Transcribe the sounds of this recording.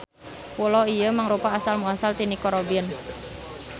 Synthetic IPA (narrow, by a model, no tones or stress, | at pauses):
pulɔijəmaŋɾupaːsalmuasalt̪inikɔɾobiən